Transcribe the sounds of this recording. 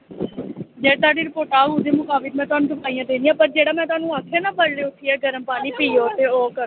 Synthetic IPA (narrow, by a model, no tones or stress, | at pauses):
d͡ʒɛːt̪aːɖiːɾɪpoːɾʈaːɡud̪eːmʊkaːbɪd̪mɛ̃ːt̪ʊaːnũːt̪əpaːijãːd̪eːnijãːpəɾd͡ʒeːɽaːmɛ̃ːt̪ʊaːnũːaːkʰːeːnãːbəɾleːʊt̪ʰːiːɛːɡəɾəmpaːniːpiːoːɾt̪eːoːkəɾ